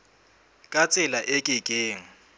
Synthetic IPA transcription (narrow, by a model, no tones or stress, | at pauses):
kʼat͡sʼɪlaʔɪkʼɪkʼeːŋ̩